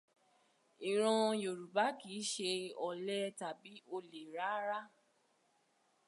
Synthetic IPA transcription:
i˨ɾ̃ɔ̃˧jo˨ɾu˨ba˨˦ki˨˦ʃe˧ɔ˨lɛ˦ta˨bi˨˦o˧le˨ɾa˨˦ɾa˦

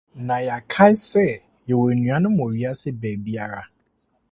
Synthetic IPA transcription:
nã˨ja˨kʰa˦jsɛ˦˨ | jɛ˨wo˨ɾnũ˨a˨˦nʊ̃˦mõ˨ɥi˦a˦sɪ˦bɛ˨ɾbi˦a˦ɾa˦

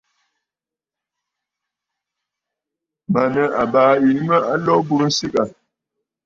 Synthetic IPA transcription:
ma˨nə˦ʔa˨baː˨˦i˨˦mə˦a˦lɔ˦bu˦ɾn̩˦si˦ka˨

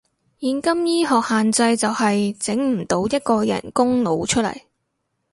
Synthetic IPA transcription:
jiː˨˧nkɐ˥mjiː˥ɦɔː˨k̚haː˨nt͡sɐ˧jt͡sɐ˨whɐ˨jt͡sɪ˨˥ŋm̩˨˩t̪o˨˥wjɐ˥t̚kɔː˧jɐ̰˨˩nkʊ˥ŋlo˨˧wt͡ʃʰɵ˥t̚lɐ̰˨˩j

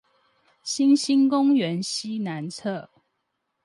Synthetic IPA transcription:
ɕi˦nɕi˦nkʊ˦ŋɥɛ˨˦nɕi˦na˨˦nt͡sʰɤ˥˨

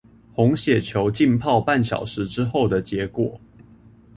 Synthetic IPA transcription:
xʊ˧˦ŋɕjɛ˨˩t͡ɕʰjo˧˥ʊt͡ɕi˥˧npʰɑ˥˧ʊpa˥˨nɕjɑ̰˨˩ʊʂɻ̩˧˥ʈ͡ʂɻ̩˥xo˥˩ʊd̪ə˩t͡ɕjɛ˨˧˥kwɔ˨˩˦

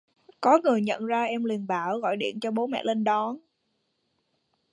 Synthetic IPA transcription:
kɔ˨˦ŋɨ˨˩əjɲə̰˧˨nzaː˧ʔɛ˧mli˨˩ənɓaː˧˩wɣɔ̰˧˨jɗḭ˧˨ənt͡ɕɔ˧ɓo˨˦mɛ̰˧˨le˧nɗɔ˨˦n

